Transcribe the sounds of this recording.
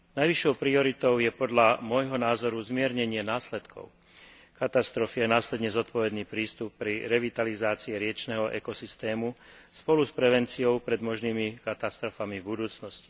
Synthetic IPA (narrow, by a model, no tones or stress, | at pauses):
najʋiʃːɔʊpɾiɔɾit̪ɔʊjɛpɔd̪ʎamʊɔjɦɔnaːzɔɾuzmɪɛɾɲɛɲɪɛnaːslɛt̪kʰɔ̰ʊ | kat̪ast̪ɾɔfijɛnaːslɛd̪ɲɛzɔt̪pɔʋɛd̪niːpɾiːst̪upːɾiɾɛʋit̪alizaːt͡siɛɾɪɛt͡ʃnɛɦɔʔɛ̰kɔsist̪ɛːmu | spɔluspɾɛʋɛnt͡siɔʊpɾɛd̪mɔʒniːmikat̪ast̪ɾɔfamivbud̪uːt͡snɔsci̥